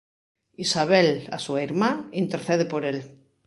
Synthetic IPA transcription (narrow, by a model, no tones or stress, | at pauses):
isaβ̞ela̰suiɾmaint̪eɾθeð̞epoɾel